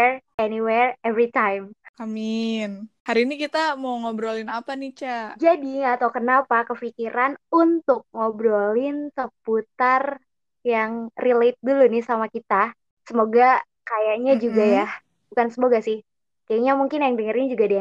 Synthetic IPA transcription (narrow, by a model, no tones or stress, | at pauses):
ɛɛniwɛrɛvɾit̪ajmaminhaɾiːnikit̪amoŋobɾolinapanit͡ʃad͡ʒadiat̪awkənapakəfikiɾʔanunt̪ʊk̚ŋobɾolɪnsəput̪ar | jaŋrilet̪̚dulunɪhsamakit̪a | səmoɡa | kajaʔɲad͡ʒuɡajah | bukansəmoɡasɪh | kajaɲamuŋkɪnjaŋdəŋəɾɪnd͡ʒuɡadia